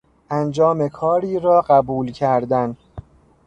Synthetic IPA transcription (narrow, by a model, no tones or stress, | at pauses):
ʔænd͡ʒɒːmekʰɒːɾiːɾɒːɢæbuːlcʰæɾd̪æn